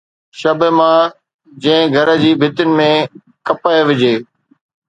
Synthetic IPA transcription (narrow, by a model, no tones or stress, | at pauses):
ʃɐbəmãː | d͡ʑɐ̃ɦɪ̃ɡʱɐɾə̆d͡ʑiːbʱɪt̪ɪnɪ̆mẽ | kɐpaːeʋɪd͡ʑeː